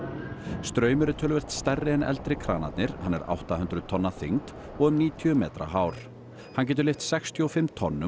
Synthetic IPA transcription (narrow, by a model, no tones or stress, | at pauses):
st̪ɾœːɥmʏɾɪt̪ʰœːlʏvɛr̥t̪st̪ɛrːɪɛnɛ̰lt̪ɾɪkʰɾaːnat̪nɪɾ̥hanːɛ̰ɾa̰wht̪ahʏnt̪ɾʏðt̪ʰɔnːaθḭŋt̪ | ɔɣʏmniːt̪ʰiʏmɛːt̪ɾa̰ɦaːwɾ̥ | hanc̬ɛːt̪̬ʏɾlɪft̪sɛxst̪ʰjɔɔfɪmt̪ʰɔnːʏ